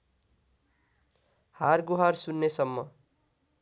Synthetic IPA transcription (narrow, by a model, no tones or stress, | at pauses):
harɡuɦarsunːesʌmːʌ